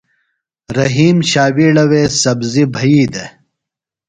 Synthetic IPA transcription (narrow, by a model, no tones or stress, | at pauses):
ɾɐɦiːmɕaːwiːɽɐweːsɐbzibʱɐiːd̪e